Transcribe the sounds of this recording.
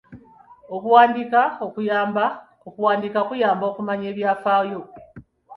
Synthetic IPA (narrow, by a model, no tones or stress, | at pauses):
o̞kuwaːndikao̞kujaːmba | okuwaːndikaokujaːmbo̞ːkumaɲe̞ːβjaːfaːjo̞